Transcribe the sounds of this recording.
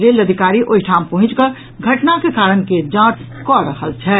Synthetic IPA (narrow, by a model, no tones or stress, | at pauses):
ɾeləd̪ʱikaɾiʔoɦiʈʰampəɦʊ̃t͡ʃkə | ɡʱəʈnakekaɾənked͡ʒãʈ | kɔɾəɦəlt͡ʃʰɛ